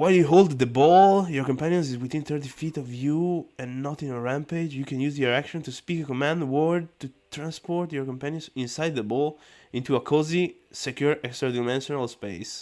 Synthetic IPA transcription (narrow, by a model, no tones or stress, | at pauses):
wajljuɦold̪ðəbɔljɔɹkɔ̃mpæ̃njə̃ns̬izwiθĩnθəɹt̪ifit̪ɔvjuɛ̃nːɔt̪ĩnəɹæ̃mped͡ʒjukʰɛ̃njuzjɔɹækʃɔ̃nt̪uspikəkɔmæ̃ndwɔɹd̚t̪ut̪ɾãnspɔɹt̪jɔɹkɔ̃mpæ̃njə̃nsĩnsajd̪̚ðəbɔlĩnt̪uakʰɔzi | sɛkjuɹɛkstɾadamɛ̃nʃɔnalspeɪs